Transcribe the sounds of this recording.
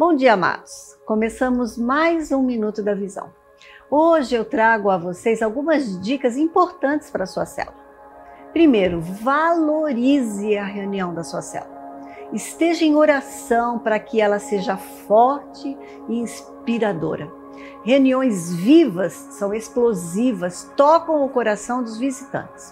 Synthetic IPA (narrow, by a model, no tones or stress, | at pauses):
b̥õw̃d͡ʒiɐama̰d̪ʊskõmesɐ̃mʊzmajzũmĩnut̪ʊd̪ɐvizɐ̰̃w̃ | oʒɪewt̪ɾaɡʊɐvosezawɡũmɐzd͡ʒikɐzĩpoɾt̪ɐ̃nt͡ʃɪ̥spaɾɐsuɐsɛ̰luɐ | pɾimejɾʊvaloɾizɪɐɦeuniɐ̃w̃d̪ɐsuɐsɛ̰luɐɪst̪eʒɐẽj̃oɾasɐ̃w̃pɾɐkɪɛlɐseʒɐfɔɾt͡ʃɪ | ɪĩs | piɾad̪o̰ɾɐ | heuniõj̃zvivɐsːɐ̃w̃esplozivɐst̪ɔkɐ̃w̃ʊkoɾasɐ̃w̃d̪ʊzvizit̪ɐ̰̃nt͡ʃɪ̥s